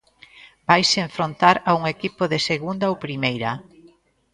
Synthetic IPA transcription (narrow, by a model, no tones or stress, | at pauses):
b̥ajseɱfɾont̪aɾauŋekipoðeseɣund̪aowpɾimejɾɐ